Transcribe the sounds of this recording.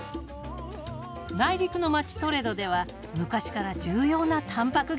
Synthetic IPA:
naiɾʲikɯ̟no̞mat͡ɕi̥t̪o̞ɾe̞d̪o̞d̪e̞β̞a | mɯ̟kaɕi̥kaɾad͡ʑɨːjo̞ːnat̪ʰãmpakɯ̟ɡ

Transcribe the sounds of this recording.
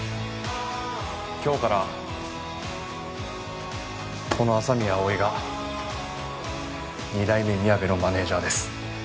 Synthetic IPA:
kʲo̞ːkaɾa | ko̞no̞asamʲiaoiɡa | ɲ̟id̪aimemʲiaɡe̞no̞mane̞ːʑaːd̪e̞sɨ̥

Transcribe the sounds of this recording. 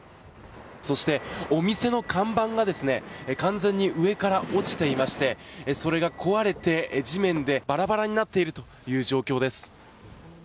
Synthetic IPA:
so̞ɕi̥t̪e̞o̞mʲise̞no̞kʰãmbãŋɡad̪e̞sɨne̞kãnzẽ̞ɲ̟ːiʔɯ̟e̞kaɾaʔo̞t͡ɕi̥t̪e̞imaɕi̥t̪e̞so̞ɾe̞ɡakʰo̞βaɾe̞t̪e̞ʑimẽ̞nd̪e̞b̥aɾabaɾaɲ̟inat̪ːe̞iɾɯ̟t̪o̞ | jɯ̟ːʑo̞ːkʲo̞ːd̪e̞sɨ̥

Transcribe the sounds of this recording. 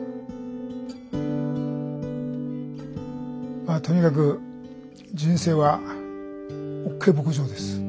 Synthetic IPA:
mat̪o̞ɲ̟ikak̬ɯ̟ | d͡ʑĩɰ̃se̞ːβa | okʰːeibo̞kɯ̟ʑo̞ːd̪e̞sɨ̥

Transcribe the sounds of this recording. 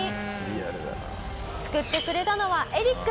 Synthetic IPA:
i | ɾiaɾɯ̰ | t͡sɨ̥kɯ̟t̪ːe̞kɯ̟ɾe̞t̪ano̞βaʔe̞ɾʲikː

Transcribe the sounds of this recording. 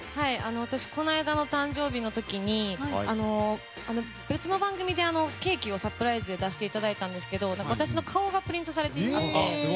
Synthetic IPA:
haiano̞β̞at̪aɕi̥ko̞naid̪ano̞t̪ãɲ̟d͡ʑo̞ːbʲino̞t̪o̞kʲiɲ̟iano̞ | ano̞ | bʲɯ̟t͡sɨno̞bãŋɡɯ̟mʲid̪e̞ano̞ke̞ːkʲio̞sapɯ̟ɾaizɨd̪e̞d̪aɕi̥t̪e̞it̪ad̪ait̪ãnd̪e̞sɨ̥ke̞d̪o̞nãŋkaβat̪aɕino̞kʰao̞ɡapɯ̟ɾʲĩnt̪o̞s̬aɾe̞t̪eia

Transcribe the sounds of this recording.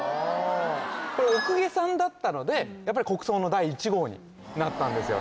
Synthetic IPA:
o | koɾeokɯ̟ɡe̞sãnd̪at̪ːano̞d̪e̞japːaɾʲiko̞kɯ̟̥so̞ːno̞d̪aiːt͡ɕiɡo̞ːɲ̟ḭ | nat̪ːãnd̪e̞sɨjo̞̰

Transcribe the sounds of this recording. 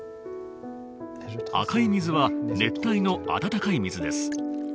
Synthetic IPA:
a̰kaimʲizɨβane̞t̪ːaino̞a̰t̪at̪akaimʲizɨd̪e̞sɨ̥

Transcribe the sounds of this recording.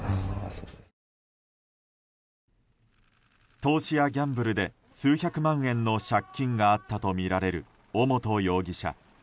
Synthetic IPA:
t̪o̞ːɕijaɡʲãmbɯ̟ɾɯ̟d̪e̞ | sɨːçakɯ̟mãɰ̃ẽ̞nːo̞ɕakʲːĩŋɡaːt̪ːat̪o̞mʲiɾaɾe̞ɾɯ̟ | omot̪o̞jo̞ːɡʲiɕa̰

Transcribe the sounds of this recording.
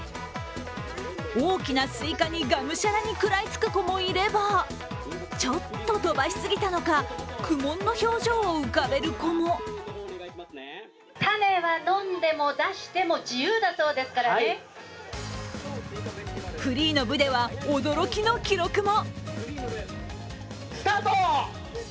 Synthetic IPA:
o̞ːkʲinasɨikaɲ̟iɡamɯ̟ɕaɾaɲ̟ikɯ̟ɾait͡sɨ̥kɯ̟ko̞mo̞iɾe̞ba | t͡ɕo̞t̪ːo̞d̪o̞baɕi̥sɨɡʲit̪ano̞kakʰɯ̟mõ̞nːo̞ço̞ːʑo̞ːɯ̟kabe̞ɾɯ̟ko̞mo | t̪ane̞βanõ̞nd̪e̞mo̞d̪aɕi̥t̪e̞mo̞d͡ʑijɯːd̪aso̞ːd̪e̞sɨ̥kaɾa | kɯ̟ɾʲiːno̞bɯ̟d̪e̞βaod̪o̞ɾo̞kʲino̞kʲiɾo̞kɯ̟mo̞ | sɨ̥t̪at̪o

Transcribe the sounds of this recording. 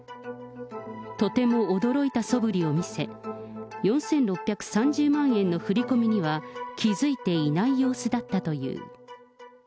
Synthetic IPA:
t̪o̞t̪e̞mo̞ːd̪o̞ɾo̞it̪aso̞bɯ̟ɾʲio̞mʲise̞ | jõ̞ɰ̃sẽ̞nɾo̞pʲːjakɯ̟̥sãɲ̟d͡ʑɨːmãɰ̃ẽ̞nːo̞ɸɯ̟ɾʲiko̞mʲiɲ̟iβakʲizɨit̪e̞inaijo̞ːsɨd̪at̪ːat̪o̞jɯ̟̰ː

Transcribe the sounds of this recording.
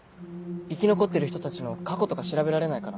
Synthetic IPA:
ikʲino̞ko̞t̪ːeɾɯ̟çi̥t̪o̞t̪at͡ɕino̞kako̞t̪o̞kaɕiɾabe̞ɾaɾe̞naikaɾa

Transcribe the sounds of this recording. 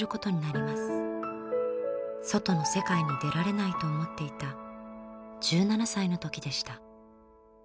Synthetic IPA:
ɾɯ̟ko̞t̪o̞ɲ̟inaɾʲimasɨ̥ | so̞t̪o̞no̞se̞kaiɲid̪e̞ɾaɾe̞nait̪o̞ːmo̞t̪ːe̞it̪a | d͡ʑɨːnanasaino̞t̪o̞kʲid̪e̞ɕi̥t̪a

